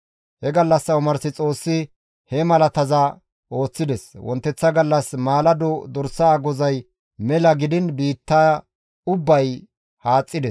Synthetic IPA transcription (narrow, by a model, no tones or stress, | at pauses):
hɛɡɐlːɐsːɐʊmɐɾsɪt͡sʼo̞ːsːɪ | hɛmɐlɐt̪ɐzɐ | ʔo̞ːt͡sːɪd̪ɛswɔ̰nt̪ːɛt͡sːɐɡɐlːɐsmaːlɐd̪ɔd̪ɔɾsaːɡɔzɐj | mɛlɐɡɪd̪ɪnbiːt̪ːɐ | ʊbːɐj | haːt͡sʼːɪd̪ɛs